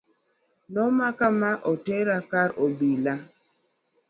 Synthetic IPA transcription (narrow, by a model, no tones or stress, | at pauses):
nɔmakamaʔɔteɾakaɾɔbila